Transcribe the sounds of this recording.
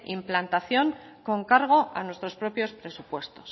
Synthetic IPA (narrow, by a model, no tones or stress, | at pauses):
implant̪aθjo̞ŋ | ko̞ŋkaɾɣ̞o̞ʔa̰nwe̞st̪ɾo̞spɾo̞pjo̞spɾe̞supwe̞st̪o̞s